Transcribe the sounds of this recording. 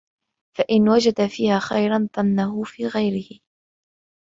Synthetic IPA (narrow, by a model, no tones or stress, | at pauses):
faʔɪnwad͡ʒad̪afiːhaːxajɾanðˤɑnːaɦʊfiːɣajɾɪhɪ